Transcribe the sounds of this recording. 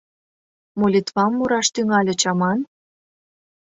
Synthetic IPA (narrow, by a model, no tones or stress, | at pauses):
molʲit̪βɑmːuɾɑʃt̪yŋɑlʲĕt͡ɕɑmɑn